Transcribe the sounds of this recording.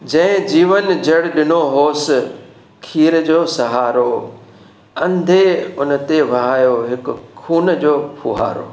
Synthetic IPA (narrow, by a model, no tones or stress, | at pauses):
d͡ʑɐ̃ɦɪ̃d͡ʑiːʋənd͡ʑɐɽɗɪnoɦoːs | kʰiːɾəd͡ʑoːsɐɦaːɾo | ɐ̃nd̪ʱeʊn̆t̪eʋɐɦaːjoɦɪkʊ̆kʰuːnd͡ʑoːpʰʊɦa̰ːɾo̰ː